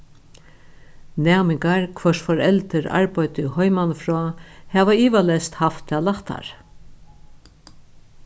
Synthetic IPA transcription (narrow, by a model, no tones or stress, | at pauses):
næːmɪŋkaɹkʰʋœʂfɔɾɛlt̪ɪɾa̰ɹpɔjt̪ɪhɔjmanfɾɔːhɛːʋaiːʋalɛst̪haft̪ːalaht̪a̰ɹ